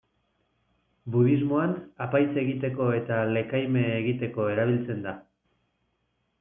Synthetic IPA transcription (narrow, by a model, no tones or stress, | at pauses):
buðizmo̞anapajt͡se̞ɣit̪e̞ko̞e̞t̪ale̞kajme̞ːɣit̪e̞ko̞e̞ɾaβ̞ilt͡se̞nd̪a